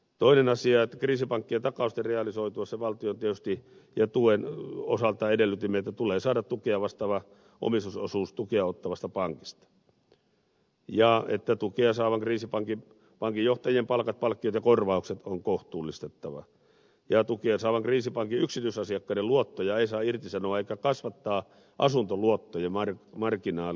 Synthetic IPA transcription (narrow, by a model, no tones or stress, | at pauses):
t̪oinenɑsiɑet̪ːækriːsipɑŋkːiet̪ɑkɑust̪ereɑlisoit̪uɑseʋɑlt̪iont̪iet̪yst̪i | jɑt̪uenosɑlt̪ɑedelːyt̪imːeet̪ːæt̪uleːsɑːdɑt̪t̪ukeɑʋɑst̪ɑːʋɑ | ʔo̰mist̪usosuːst̪ukeɑot̪ːɑʋɑst̪ɑpɑŋkist̪ɑ̥ | jɑet̪ːæt̪ukeɑsɑːʋɑŋkriːsipɑŋki | pɑŋkijjoht̪ɑjiempɑlkɑt̪̚pɑlkːiot̪jɑkorʋɑukset̪oŋkoht̪uːlːist̪et̪ːɑʋɑ̰ | jɑt̪ukeɑsɑːʋɑŋkriːsipɑŋkiyksit̪yisɑsiɑkːɑineluot̪ːojɑeisɑːirt̪isɑnoɑeˑikːækɑsʋɑt̪ːɑː | ʔɑ̰sunt̪oluot̪ːojemɑrmɑrkinɑːl